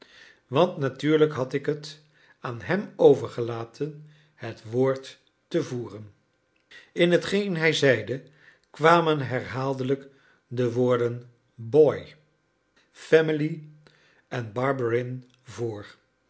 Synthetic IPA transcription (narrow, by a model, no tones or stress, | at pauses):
ʋɑntnatyːɹləkɦɑtɪkɦət | aːnɦɛmowvəɹχəlaːtʰən | hətʋoːɹtː | əvuːrən | ɪnɦətχejnɦɛjzɛjdə | kʋaːmənɦɛɹɦaːlˠdələk | dəʋʊːɹdən | bɔj | fɛmɪli | ʔɛnbɑɹbəɹɪn | voːɹ